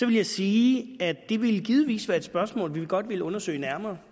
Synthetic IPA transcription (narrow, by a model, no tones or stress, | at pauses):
sɒ̽ʋe̝ljɑ̈ɪsiːæd̥d̥e̝ʋe̝ləɡ̥ið̞ˠʋḭːsʋæːɐed̥sb̥ɶɐsmɔ̰̽ːlʋiɡ̥ɒ̽d̥ʋe̝ləɔ̽nɐsø̰ɪnæɐmɐː